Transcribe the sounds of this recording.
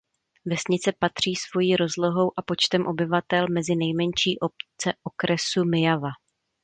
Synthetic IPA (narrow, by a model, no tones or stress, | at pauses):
vɛsɲɪt͡sɛpat̪r̝̥iːsvo̞jiːɾo̞zlo̞ɦo̞wʔapo̞t͡ʃt̪ɛmʔo̞bɪvat̪ɛlmɛzɪnɛjmɛɲʃiːʔo̞p̚t͡sɛʔo̞kɾɛsumɪjava